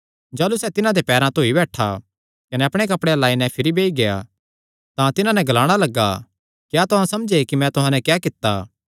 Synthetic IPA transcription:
d͡ʒaːlusɛt̪ɪnãd̪epɛːɾãt̪oːibɛːʈʰa̰ | kɐnɛɐpɽ̃ekɐpɽelaːinɛ̃pʰɪɾibeːiɡeja̰ | t̪ãt̪ɪnãnɛɡɐlaːɽ̃alɐɡa | kjaːt̪ʊɦãsɐmd͡ʒekimɛ̃t̪ʊɦãːnɛ̃kjɛːkɪt̪ːaː

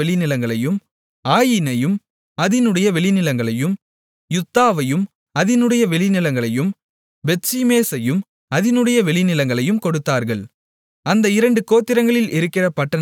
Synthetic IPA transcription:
ɛɭɪnɪlɐŋɡɐɭɐjɯm | aːjɪnɐjɯm | ɐðɪnɯɽɐjɐʋɛɭɪnɪlɐŋɡɐɭɐjɯm | jʊt̪ːaːʋɐjɯm | ɐðɪnɯɽɐjɐʋɛɭɪnɪlɐŋɡɐɭɐjɯm | bɛʈt͡ʃimeːsɐjɯm | ɐðɪnɯɽɐjɐʋɛɭɪnɪlɐŋɡɐɭɐjɯmkɔɽɯt̪ːaːɾɣɐɭ | ɐnd̪ɐɪɾɐɳɖɯkoːt̪ːɪɾɐŋɡɐɭɪlʔɪɾɯkːɪrɐpɐʈːɐn

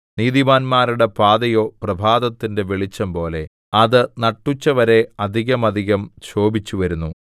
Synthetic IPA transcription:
niːðimaːnmaːɾuɽe̞paːd̪ɐjo̞ːprɐbʱaːd̪ɐt̪ːinde̞ʋeɭit͡ɕːɐmpo̞ːle̞ | ɐðɨnɐʈːut͡ɕːɐʋɐɾe̞ɐd̪ʱiɣɐmɐd̪ʱiɣɐmt͡ɕʰo̞ːbit͡ɕːuʋɐɾunːu

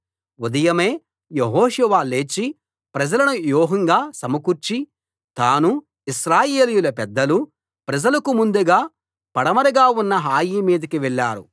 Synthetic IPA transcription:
ud̪ɐjɐme̞ː | jeɦɔːʃuʋaːle̞ːt͡ʃːi | pɾɐd͡ʒɐlɐnujoːɦɐŋɡaːsɐmɐkuɾt͡ʃi | t̪aːnu | iʃɾaːje̞ːlijulɐpɛd̪ːɐlu | pɾɐd͡ʒɐlɐkumund̪uɡaː | pɐɽɐmɐɾɐɡaːunːɐɦaːjiːmiːd̪ɐkiʋɛɭːaːɾu

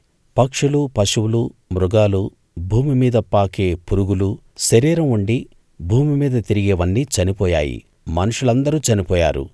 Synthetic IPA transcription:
pɐkʂulupɐʃuwulumɾuɡaːlu | bʱuːmimiːd̪ɐpaːkeːpuɾuɡulu | ʃɐɾiːɾɐmuɳɖi | bʱuːmimiːd̪ɐt̪iɾiɡeːʋɐnːit͡ʃɐnipɔːja̰ːjḭ | mɐnuʂulɐnd̪ɐɾut͡ʃɐnipɔːja̰ːɾṵ

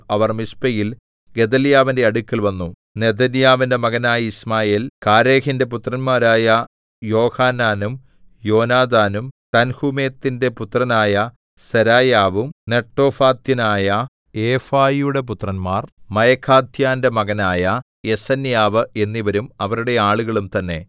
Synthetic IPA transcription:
ɐʋɐrmispɐjil | ɡe̞d̪ɐljaːʋinde̞ɐɽukːɐlʋɐnːu | ne̞d̪ɐnjaːʋinde̞mɐɣɐnaːjɐismaːjeːlkaːɾeːhinde̞put̪rɐnmaːɾaːjɐ | jo̞ːhaːnaːnum | jo̞ːnaːd̪aːnumt̪ɐnhume̞ːt̪ːinde̞put̪rɐnaːjɐ | seɾaːjaːʋumne̞ʈːo̞ːfaːt̪jɐnaːjɐ | eːfaːjjuɽe̞p̬ut̪rɐnmaːrmɐjɐkʰːaːd̪ʱjaːndemɐɣɐnaːjɐ | e̞sɐnjaːʋɨe̞nːiʋɐɾumɐʋɐɾuɽe̞aːɭuɣɐɭumt̪ɐnːe̞

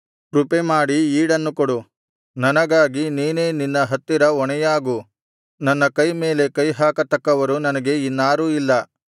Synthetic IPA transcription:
pɾupemaːɽiiːɽɐnːukɔɽu | nɐnɐɡaːɡiniːneːninːɐɦɐt̪ːiɾɐɔɳɛjaːɡu | nɐnːɐkɐjme̞ːle̞kɐjɦaːkɐt̪ɐkːɐʋɐɾunɐnɐɡe̞inːaːɾuːilːɐ

